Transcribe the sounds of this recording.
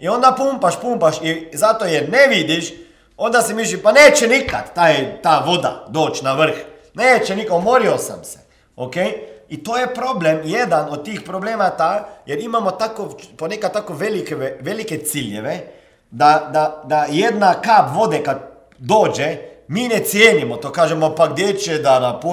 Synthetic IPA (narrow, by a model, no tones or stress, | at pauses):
iond̪apumpaʃpumpaʃizat̪ojɛɾnɛʋid̪iʃ | ond̪asimiːʃ̬limpaneːt͡ʃɛnika̰t̪ːaːjt̪aːʋod̪a̰d̪oːt͡ʃnaʋəɾ̩x | neːt͡ʃɛnikomoɾiosa̰msɛ̥ | okejit̪oːjɛpɾoblemjɛd̪anot̪̚t̪iːxpɾobleːmat̪ajʔɛɾimamot̪aːkoponekat̪t̪aːkoʋelikeʋɛʋelikɛt̪siljɛʋɛ | d̪ad̪ad̪ajɛd̪nakaːpʋoːd̪ɛkat̪̚ | d̪oːd͡ʒɛminɛt̪sjeːnimɔt̪oːkaːʒɛmopaɡ̚d̪jet͡ʃɛd̪anapu